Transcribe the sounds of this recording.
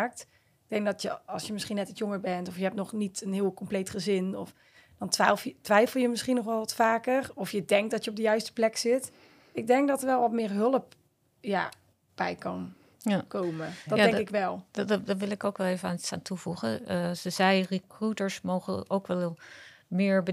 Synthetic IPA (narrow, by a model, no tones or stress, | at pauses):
aːk̚t | ɪɡ̚dɛŋk̚dɔtjəɑlˠsjəmɪsχinːɛtitjɔŋəɹbɛntɔfjəɦɛp̚tnɔχnitənɦɪːlˠkɔmplejtχəzɪnɔf | d̥ɑntʋatʋɛjfəl̩ˠjəmɪsχinɔχʋɛlˠʋɑtfaːkərɔfjədɛŋk̚dɔtjəɔb̚dəjœɥstə̥plɛksɪt | ɪɡ̚dɛŋk̚dɔtəɹʋɛlˠʋɔtmɪːrɦɵlˠəp̚ | ja̰ | b̥ɛjkɑn | jakowmədɔdjaɛŋkɪkʋɛlˠddɔʋɪlˠɪkowkʋɛlˠejvəaːnəsaːntʰuvuχə̰səzɛjrəkrutəɹsmowχəowkʋɛlˠmɪːɹbə